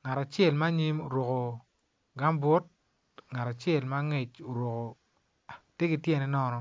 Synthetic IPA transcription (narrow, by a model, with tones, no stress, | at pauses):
ŋa˨ta˨t͡ʃɛ˦˨lma˦ɲi˦mo˨ɾwo˨ko˨ | ɡa˦mbwɔ˦t̚ | ŋa˨ta˨t͡ʃɛ˦˨lma˦ŋe˨t͡ʃo˨ɾwo˨ko˨ | te˦ɡɪ˦tjɛ˦˨nɛ˦nɔ˦˧nɔ˦